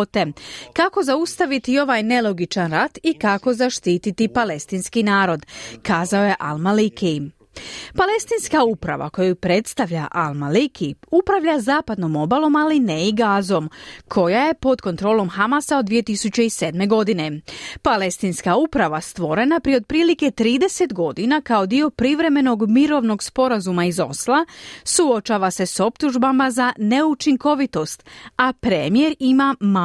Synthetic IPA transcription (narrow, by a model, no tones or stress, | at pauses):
t̪e̞kako̞zaust̪aʋit̪io̞ʋaːjne̞lˠo̞ɡit͡ʃanɾat̪ikako̞zaʃt̪iːt̪it̪ipale̞st̪inskinaːɾo̞d̪kaːzao̞je̞ʔalmaliki | pale̞st̪inskaupɾa̰ʋa̰ko̞jupɾe̞t̪st̪aʋʎaʔalˠmalikʰiupɾaʋʎazaːpad̪no̞mo̞balˠo̞malineiɡaːzo̞mkʰo̞jaje̞po̞d̪ko̞nt̪ɾo̞ːlo̞mxamasaod̪ʋije̞t̪isut͡ɕe̞ise̞ːd̪me̞ɡo̞d̪ine̞pale̞st̪inskaupɾaʋast̪ʋo̞ɾe̞napɾieod̪̚pɾiːlike̞t̪ɾiːd̪e̞se̞t̪ɡo̞d̪inakao̞d̪io̞pɾiʋɾe̞me̞no̞ɡmiɾo̞ʋno̞ɡspo̞ɾazumaizo̞̰slˠasuot͡ʃaːʋase̞so̞pt̪uʒbamazane̞ut͡ʃiŋko̞ʋit̪o̞st̪apɾemije̞ɾimama